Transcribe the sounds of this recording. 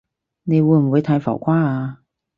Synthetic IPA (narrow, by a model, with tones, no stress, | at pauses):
ne˨˧jwuː˨˧jm̩˨˩wuː˨˧jt̪ʰa˨˧jfɔ̰˨˩wkʷaː˥aː˧